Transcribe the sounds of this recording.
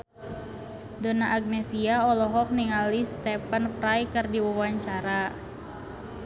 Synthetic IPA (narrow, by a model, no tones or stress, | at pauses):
donaʔaɡ̚nɛsiaɔlɔɦɔk̚niŋalist̪ɛpənpɾajkɨrdiwawaɲt͡ʃaɾa